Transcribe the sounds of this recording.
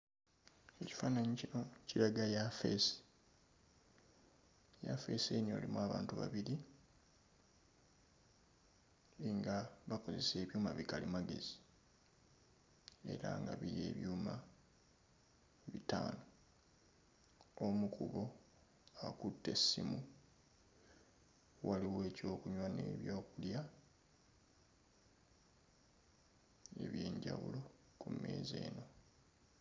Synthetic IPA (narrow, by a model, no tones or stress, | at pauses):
eci̥faːnaɲiiociɾaɡajafesi̥ | jafe̞senio̞ːlimwaːβaːntuβa̰βiɾi | iŋɡaβako̞ze̞se̞ːβjuːmaβikalimaɡe̞̰zi̥ | e̞̰ɾaŋɡaβiɾie̞̰ːβjuːma | βitaːno | omukuβo̞ | akutːe̞sːimu | waliwe̞ːco̞ːkuɲwanḛβjo̞ːkulja | e̞βje̞ːɲɟawṵlo̞ | kume̞̰ːze̞̰ːno̞